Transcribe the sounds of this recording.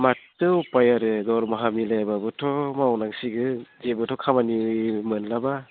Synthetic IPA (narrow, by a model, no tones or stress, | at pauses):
matɯwpajaɾɯdɔɾmaɦamilajababɯtʰɔmawnaŋsiɡɯd͡ʒebɯtʰɔkʰamanimɯnlaba